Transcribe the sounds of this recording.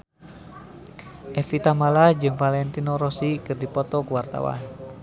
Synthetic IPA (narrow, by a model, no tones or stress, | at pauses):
ʔɛfit̪amalahd͡ʒɨŋfalɛnt̪inoɾɔsikɨrdipɔt̪ɔkuwart̪a̰wa̰n